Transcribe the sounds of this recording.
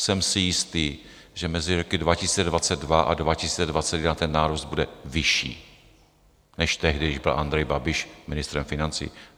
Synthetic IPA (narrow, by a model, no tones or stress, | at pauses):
sɛmsɪjɪst̪iː | ʒɛmɛzɪɾokɪdvacɪsi̥ːt͡sɛdvat͡sɛd̪̚dvaʔa̰dvacɪsiːt͡sɛdvat͡sɛt̪jɛdnat̪ɛnːaːɾusd̪̚budɛvɪʃḭː | nɛʃt̪ɛɦdɪɪʒbɪlʔand̪ɾɛjbabɪʃmɪnɪst̪ɾɛmfɪnant͡sḭː